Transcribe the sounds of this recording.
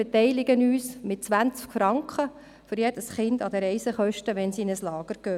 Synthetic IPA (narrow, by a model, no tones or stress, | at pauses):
ɛt̪ɛɪlɪɡənyːsmɪt̚t͡sʋænt͡skfɾɑŋkχə | fʏɾjɛd̥əsχɪndɑd̪əɾɛɪsəχœʃtəʋɛnsiɪnəslɑːɡ̥əɾkøː